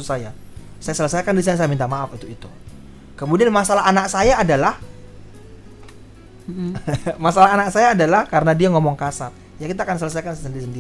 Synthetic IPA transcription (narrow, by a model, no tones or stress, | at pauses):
sajasajasələsajkandis̬anasajamint̪amaafit̪uit̪u | kəmudianmasalaɦanak̚sajaːdalah | masalaɦanak̚sajaːdalahkaɾənadiaŋɔmɔŋkasat̪̚ | jakit̪aːkansələsajkanssəndiɾisəndi